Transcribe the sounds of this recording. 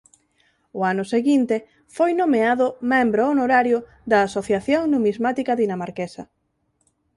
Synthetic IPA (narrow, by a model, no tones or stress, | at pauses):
ʊanʊseɣint̪e | fojnomeaðʊmẽmbɾoonoɾaɾjʊ | ðɐːsoθjaθjoŋnumizmat̪ikɐðinamaɾkesɐ̰